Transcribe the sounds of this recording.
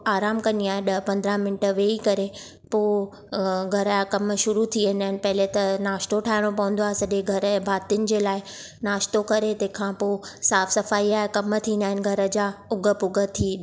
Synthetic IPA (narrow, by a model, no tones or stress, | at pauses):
aːɾaːmkɐniaːɦeɗɐɦpɐ̃nd̪ɾamɪnɪʈə̆ʋeːikɐɾe | poː | ɡʱɐɾkɐmʃʊɾut̪ʰiʋẽn̆d̪aːɪnɪ̆pɐɦɪlet̪ɐnaːʃt̪oʈʰaːɦɪɽ̃opɐʋə̃n̆d̪oaːɦesɐʄẽɡʱɐɾəbʱaːt̪iʊnɪ̆d͡ʑeːlaːɪ | naːʃt̪okɐɾet̪ɐ̃ɦɪ̃kʰãːpoːsaːfsɐfaːiaːɦekɐmt̪ʰĩːnd̪aːɦɪnɪ̆ɡʱɐɾə̆d͡ʑaːʊɡʱə̆pʊɡə̆t̪ʰiː